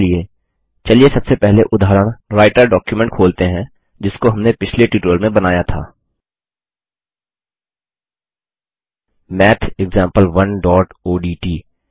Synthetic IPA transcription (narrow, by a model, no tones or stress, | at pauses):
lie | t͡ʃɐliesɐbsepɛɦleʔʊd̪ʱaːɾəɽ̃ɾaːɪʈəɾɖɔːkjumɛ̃ɳʈ̚kʰoːlt̪eɦɛ̃ | d͡ʒɪskoɦɐmnepɪt͡ʃʰleʈuːʈɾəlmẽbɐnaːjat̪ʰa̰ː | mɛːt̪ʰɪɡzãːmpəlʋɐnɖɔːʈoːɖiːʈiː